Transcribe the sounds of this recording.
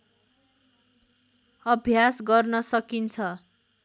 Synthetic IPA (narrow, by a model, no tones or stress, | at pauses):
ʌbʱjasɡʌrnʌsʌkint͡sʰʌ